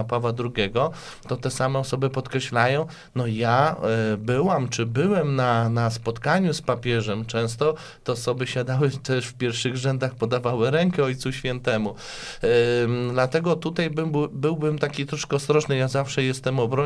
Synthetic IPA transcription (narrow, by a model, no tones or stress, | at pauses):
apavad̪ɾuɡʲɛɡɔ | t̪ɔt̪ɛsamɛɔsɔbɘpɔt̪kɾɛɕlajɔ̃w̃ | nɔjabɘwamt͡ʂɘbɘwɛmnanaspɔt̪kaɲuspapʲjɛʐɛmt͡ʂɛ̃w̃s̬t̪ɔ | t̪ɛɔsɔbɘɕad̪awɘt̪ɛʂfpʲjɛɾfʂɘɣʐɛnd̪axpɔd̪avawɘɾɛŋkɛɔjt̪suɕfʲɛn̪t̪ɛmu | d̪lat̪ɛɡɔt̪ut̪ajbɘbɘwbɘmt̪akʲit̪ɾɔʂkɛɔst̪ɾɔʐnɘjazafʂɛjɛst̪ɛmɔbɾɔ